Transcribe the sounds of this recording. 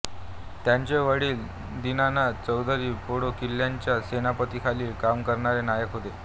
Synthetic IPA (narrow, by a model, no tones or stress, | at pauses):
t̪jaɲt͡ɕeʋəɽiːl | d̪inanat͡səwd̪ʱəɾiːpoɽokilːjaɲt͡ɕjasenapət̪ikʰaliːkamkəɾɳaɾenajəkɦot̪e